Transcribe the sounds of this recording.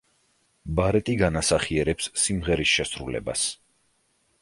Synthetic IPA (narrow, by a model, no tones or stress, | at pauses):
baɾɛt̪ʼiɡanasaχiɛɾɛpsːimʁɛɾisʃɛsɾṵlɛ̰ba̰s